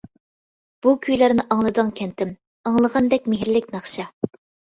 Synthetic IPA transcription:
b̥ukʲʰyjlæɾnɪʔɑŋlˠɨd̪ɨŋkʲʰɛnt̪ɪm | ɑŋlˠəʁɑnd̪ɛk̚ʲmeɦɾlɪk̚ʲnɑχʃɑ

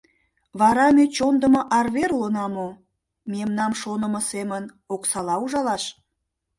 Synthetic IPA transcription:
βɑɾɑmet͡ɕond̪əmoʔɑrβeɾuənɑmo | memnɑmʃonəməsemən | oksɑlɑuʒɑlɑʃ

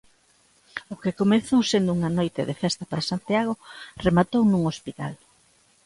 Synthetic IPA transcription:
ʊkekomeθowsend̪ʊuŋanojt̪ḛðefɛst̪ɐpaɾasant̪iaɣ̞oremat̪ownuŋospit̪a̰l

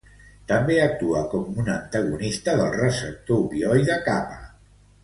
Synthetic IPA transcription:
t̪əmbeək̚t̪uəkɔmunənt̪əɣunist̪əðəlˠrəsəp̚t̪oβiɔjðəkapə

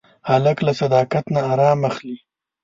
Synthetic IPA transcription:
haləklasad̪ɑkat̪naːɾɑmaxli

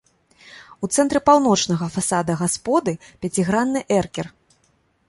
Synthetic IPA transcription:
ut̪sɛnt̪ɾɨpawnɔt͡ʂnɐɣɐfasad̪ɐɣaspɔd̪ɨpʲat͡sʲiɣɾanːɨʔɛrkʲɛr

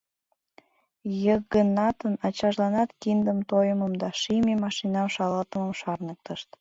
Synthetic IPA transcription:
jəɡənɑt̪ənɑt͡ɕɑʒlɑnɑt̪kind̪əmt̪ojəməmd̪ɑʃimemɑʃinɑʃɑlɑlt̪əməmʃɑrnək̚t̪əʃt̪

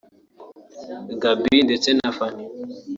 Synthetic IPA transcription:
ɡabindɛt͡sɛnafani

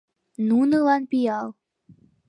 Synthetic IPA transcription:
nunɤlɑnpijɑlˠ

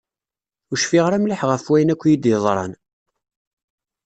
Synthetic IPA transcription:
ʊʃfiʁɾæmliħʁəfwæjənækʷːjid̪jəðˤɾˤɑ̰n

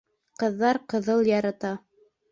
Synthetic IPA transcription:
qɤ̆ðːɑɾqɤ̆ðɤlˠjɑɾɑt̪ɑ

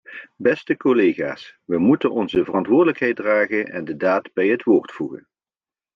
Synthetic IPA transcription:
bɛstəkoleχa̰ːsʋəmutənɔnzəvərɑntʋʊːɹdələkɦɛjt̚draːɣənɛ̰ndədaːdbɛjɦətʋoːɹtfuɣə̰n

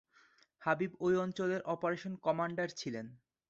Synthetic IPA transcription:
habibojɔnt͡ɕoleɾʔɔpoɾeʃonkɔmaɳɖaɾt͡ɕʰilen

